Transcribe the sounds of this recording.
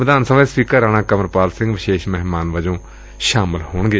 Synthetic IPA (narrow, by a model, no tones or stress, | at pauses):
əd̪aːnsəʋẽːspiːkəɾaːñãːkəməɾpaːlsɪ̃ŋɡʋɪʃeːʃmɛɦmaːnʋəd͡ʒõː | ʃaːmɪlhoːɳɡeː